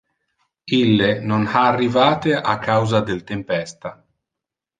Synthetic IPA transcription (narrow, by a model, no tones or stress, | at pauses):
ilːenonhaːrːivaːt̪eʔakʰːawzad̪elt̪empɛst̪a